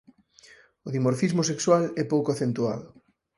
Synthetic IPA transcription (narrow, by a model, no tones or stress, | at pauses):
oðimoɾfizmosekswalɛpowkoaθent̪ua̰ðʊ